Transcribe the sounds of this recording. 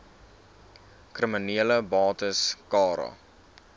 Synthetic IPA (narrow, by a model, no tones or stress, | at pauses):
krəməniələbɑːtəskɑːɾɑ̰